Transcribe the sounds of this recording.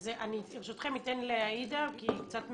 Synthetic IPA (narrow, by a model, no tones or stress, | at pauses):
zeʔaniʁʃot̪χemit̪enleaid̪akikt͡sat̪m